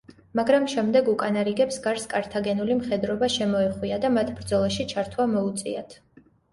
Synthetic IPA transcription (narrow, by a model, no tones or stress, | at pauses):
maɡɾamʃɛmd̪ɛɡukʼanaɾiɡɛpsɡaɾskʼaɾt̪ʰaɡɛnulimχɛd̪ɾɔbaʃɛmɔɛχwiad̪amat̪ʰbɾd̪zɔlˠaʃit͡ʃʰaɾt̪ʰwamɔut̪sʼḭat̪ʰ